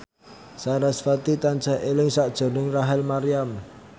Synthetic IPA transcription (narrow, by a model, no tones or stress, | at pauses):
saɾasfat̪it̪ant͡ʃaɦʔelɪŋsaʔd̥ʒ̥o̤nɪŋraɦɛlmaɾiam